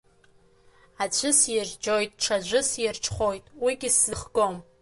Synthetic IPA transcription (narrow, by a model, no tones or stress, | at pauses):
at͡ɕʷʰɨsjɪʒd͡ʒojtʼʈ͡ʂʰad͡ʒʷɨsjɪrʈ͡ʂʰχʷojtʼwiɡʲɪszɨχɡom